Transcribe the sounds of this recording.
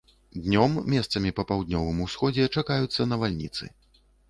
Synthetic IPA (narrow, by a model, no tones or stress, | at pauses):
d̪nʲɔmːʲɛst̪sɐmʲipɐpawd̪̚ʲnʲɔvɨmusxɔd͡zʲɛt͡ʂakajut̪sːɐnɐvalʲnʲit̪sɨ̰